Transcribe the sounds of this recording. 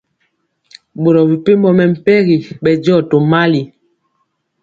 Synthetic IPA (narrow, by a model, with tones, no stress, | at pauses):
bo˨ɾɔ˨bi˨pe˦mbɔ˦mɛ˨m̩˨pɛ˦ɣi˨ɓɛ˨d͡ʒɔ˦˨to˨ma˦li˨